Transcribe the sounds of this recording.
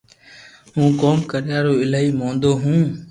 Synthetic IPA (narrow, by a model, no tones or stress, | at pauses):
ɦũːkoːmkəɾɪjaːɾoːɪlaːiːmõːnd̪oːɦũː